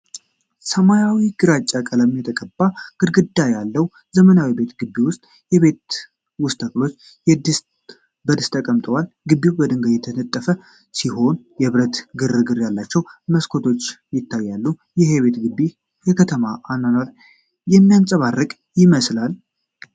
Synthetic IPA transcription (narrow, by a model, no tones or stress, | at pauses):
səmajawiɡ̥ɨɾat͡ʃʼːakʼələmjɛt̪ʰəkʼəbːaɡ̥ɨd̪ɡɨd̪ːajalːəwu | zəmənawibe̞t̪ɡɨbːiwʊst̪ʼ | jɛβe̞t̪ | wʊst̪ʰʼəkʼlo̞t͡ʃː | jɛd̪s | bəd̪ɨst̪ʰəkʼəmt̪ʼəwalɡɨbːiwbəd̪ɨŋɡəjɛt̪ʰənət̪ʼːəfə | siho̞njɛβɾət̪ɡɨrɨɡɨɾjalːat͡ʃːɛwməskʰo̞t̪ʰo̞t͡ʃːjɪt̪ʰːajːalːu | jɛheβe̞t̪ɡɨbːi | jɛkʰət̪ʰəmaʔanːanaɾ | jɛmːijansʼəβarːɨkʼ | jɪməslal